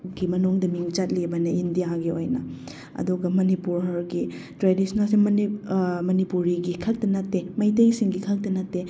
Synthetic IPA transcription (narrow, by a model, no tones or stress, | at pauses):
ɡimɐnuŋdɐmiŋt͡ʃɐt̚libɐnɐindijaɡio̰jnɐ̰ | ɐ̰duɡɐmɐnipuɾɦɐɾɡi | tɾedisnalsi | mɐnipuɾiɡikʰɐk̚tɐnɐtːemɐjt̬ɐjsiŋɡikʰɐk̚tɐnɐtːe